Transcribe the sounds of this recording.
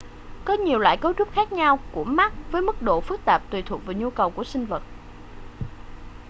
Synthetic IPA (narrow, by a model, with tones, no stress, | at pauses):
kɔ˨˦ɲi˨˩əwla̰ː˧˨jkə˨˦wt͡ɕʊ˦˥p̚xaː˦˥k̚ɲa˧wku˧˩əma˦˥t̚vəː˨˦jmɨ˦˥k̚ɗo̰˧˨fɨ˦˥k̚t̪aː˨˩p̚t̪wi˨˩t̪ʰu˨˩k̚vaː˨˩ɲu˧kə˨˩wku˧˩əsï˧ŋ̟və˨˩t̚